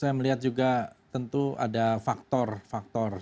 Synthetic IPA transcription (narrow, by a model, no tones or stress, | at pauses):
sajaməliɦat̪̚d͡ʒuɡat̪ənt̪ua̰dafak̚t̪ɔrfak̚t̪ɔr